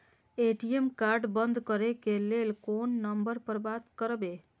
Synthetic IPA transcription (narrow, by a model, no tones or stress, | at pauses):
eʈiemkaɾɖbənd̪ʱkəɾekelelkonːəmbəɾpəɾbat̪kəɾbe